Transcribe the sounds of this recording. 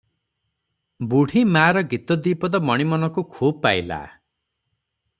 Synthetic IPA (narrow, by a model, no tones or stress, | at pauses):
buɽ̤ʱimaɾɔɡit̪ɔd̪iːpɔd̪ɔmɔɽ̃imɔnɔkukʰuːbpajla̰